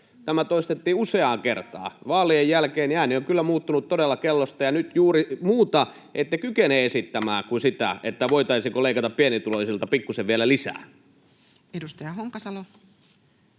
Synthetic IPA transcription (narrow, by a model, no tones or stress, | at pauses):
t̪æmæt̪oist̪et̪ːiːuseɑːŋkert̪ɑ̰ːʋɑːliejjælkeːnjæːnioŋkylːæmuːt̪ːunut̪t̪odelːɑkelːost̪ɑjɑnyt̪juːrimuːt̪ɑ | ʔet̪ːekykeneːesit̪ːæmæːkusit̪æ̰et̪ːæʋoit̪ɑisiŋkoleikɑt̪ɑppienit̪uloisilt̪ɑpikːuseʋʋielælisæ̰ː | edust̪ɑjɑhoŋkːɑsɑlo